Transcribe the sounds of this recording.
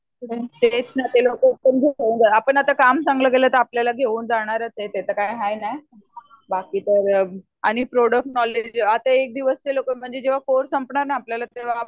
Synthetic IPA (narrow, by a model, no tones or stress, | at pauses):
ɽet̪et͡ɕnat̪elokəpəɳɡʱekeund͡zaapəɳat̪akamsãŋɡləɡelat̪əɾapljalaɡʱeʋuːnd͡zaɽ̃aɾət͡set̪et̪əkajɦajnaj | bakiːt̪əɾ | aɽ̃ipɾoɽək̚ʈnɔled͡ʑat̪aek̚d̪iʋəst̪elokəm̤əɳd͡zed͡ʑeʋ̤akoɾsəmpɳaɾnaːpljalat̪eʋ̤a